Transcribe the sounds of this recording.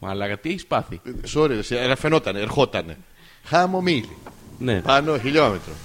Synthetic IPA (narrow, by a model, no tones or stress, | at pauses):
ma̰laɣat̪iaispaθisoɾesieɾafenot̪aneeɾxot̪anḛ | xamomilinepanoxiʎomet̪ɾo